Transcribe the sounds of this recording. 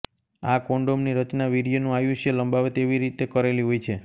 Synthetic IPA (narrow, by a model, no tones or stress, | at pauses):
akoɳɖomniɾət͡ʃnaʋiɾijonũajũʃjeləmbaʋet̪eʋiɾit̪ekəɾeliɦojt͡ʃʰe